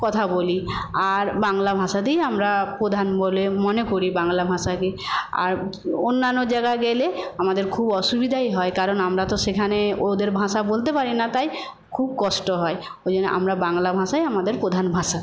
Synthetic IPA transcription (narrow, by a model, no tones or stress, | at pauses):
kɔt̪ʰaboliaɾbaŋlabʱãsad̪iamɾapɾod̪ʱanbolemɔnekoɾibaŋlabʱãʃakea̰ɾonːanːod͡ʑaɡaɡeleamad̪eɾkʰubɔʃubid̪ʱajɦɔekaɾɔnamɾat̪ɔsekʰaneod̪eɾbʱãsabolt̪̬epaɾinat̪aj | kʰub̚kɔsʈɔɦɔe | od͡ʑonːeʔa̰mɾabaŋlabʱãʃajamad̪eɾpod̪ʱanbʱãʃa